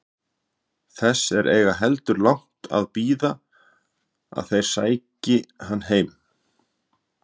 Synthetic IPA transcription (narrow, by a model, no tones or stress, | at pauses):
θɛsːɛɾʔeːjɣaɦɛlt̪ʏɾlawŋ̥t̪ʰa̰ðpiːða | a̰ðθejɾ̥saːjcɪɦanːɦeːjm